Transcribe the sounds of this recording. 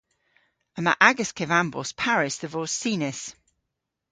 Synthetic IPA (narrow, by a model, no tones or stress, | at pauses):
əma̰ʔaɡəskʰɛvãmbɔ̰spʰaɹɪsðəvɔːssiːnɪs